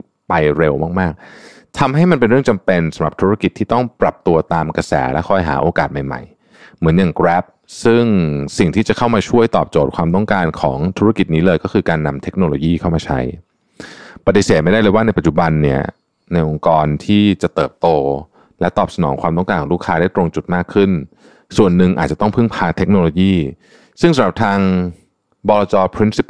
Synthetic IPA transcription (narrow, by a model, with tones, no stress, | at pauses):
pa˧jɾe˧wmaː˥˩k̚maː˥˩k̚ | t̪ʰa˧mɦa˥˩jma˧npe˧nɾɯ˥˩əŋt͡ɕa˧mpe˧nsa˨˩˦mɾa˨˩p̚t̪ʰu˦˥a˥˩ki˨˩t̪ʰːiː˥t̪ɔ˥˩ŋpɾa˨˩p̚t̪u˧ɐt̪aː˧mka˧sɛ̰ː˩˦lɛ˦˥kʰɔ˥˩jɦa̰ː˩˦ʔoː˧kaː˨˩t̪̚ma˨˩jma̰˨˩j | mɯ˩˦ənjaː˨˩ŋkɾɛː˦˥p̚ | sɯ˥˩ŋsi˨˩ŋt̪ʰiː˥t͡ɕa˨˩kʰa˥˩wmaː˧t͡ɕʰu˥˩əjt̪ɔː˨˩p̚t͡ɕoː˨˩t̪̚kʰwaː˧mt̪ɔ˥˩ŋkaː˧nkʰɔ̰ː˩˦ŋt̪ʰu˦˥ɾa˥˩ki˨˩t̪̚niː˦˥lɤː˧jkɔː˥˩kʰɯː˧kaː˧nːa˧mt̪ʰe˦˥k̚noː˧loː˧jiː˥˩kʰa˥˩maː˧t͡ɕʰa̰˦˥j | pa˧t̪i˨˩seː˨˩t̪̚ma˥˩jda˥˩jlɤː˧jwa˥˩a˧jpa˨˩t̚t͡ɕu˨˩ba˧nːi˥˩ɐ | na˧jʔo˧ŋkɔː˧nt̪ʰiː˥˩t͡ɕa˨˩t̪ɤː˨˩p̚t̪oː˧ | lɛ˦˥t̪ɔː˨˩p̚sa˧nɔ̰ː˩˦ŋkʰwaː˧mt̪ɔ˥˩ŋkaː˧nkʰɔː˨˩˦ɾuː˥˩kʰaː˦˥da˥˩jt̪ɾo˧ŋt͡ɕu˨˩t̪̚maː˥˩kʰːɯ˥˩n | su˨˩ənːɯ˨˩ŋʔa̰ː˨˩t͡ɕa˨˩t̪ɔ˥˩ŋpʰɯ˥˩ŋpʰaː˧t̪ʰe˦˥k̚noː˧loː˧jiː˥˩ | sɯ˥˩ŋsa˨˦mɾa˨˩p̚t̪ʰaː˧ŋ | bɔː˧lɔː˧t͡ɕɔː˧pʰɾi˦˥nsi˦˥p